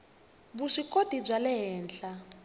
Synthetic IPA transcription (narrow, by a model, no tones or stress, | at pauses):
βuʂikʼodib͡ʐʷalɛɦɛːnɬa